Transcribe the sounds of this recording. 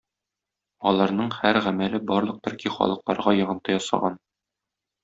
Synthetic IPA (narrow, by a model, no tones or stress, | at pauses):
ɒlˠɑɾnɤɴhæɾʁæmælɘbɒɾlˠɤ̆q̚t̪ɵ̆ɾkiχɒ̰lˠɤ̆qlˠɑɾʁɑjɒ̆ʁɤ̆nt̪ɤjɒsɑ̰ʁɑn